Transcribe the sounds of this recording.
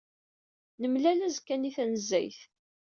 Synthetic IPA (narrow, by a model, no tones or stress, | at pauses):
nəmlælæzkːæniθænəzːæ̰jθ